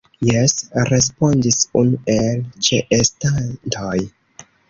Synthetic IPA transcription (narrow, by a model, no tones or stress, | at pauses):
jesɾe̞s̬po̞ndisunuʔe̞lt͡ʃeʔestantʰo̞j